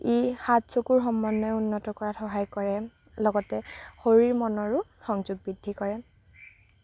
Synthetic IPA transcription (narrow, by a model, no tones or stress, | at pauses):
exatsokuɹxɔmːɔnːɔɛunːɔtɔkɔɹatʰɔɦajkɔɹɛ | lɔɡɔtɛxoɹiɹmɔnɔɹʊxɔŋzuɡ̚bidʱːikɔɹɛ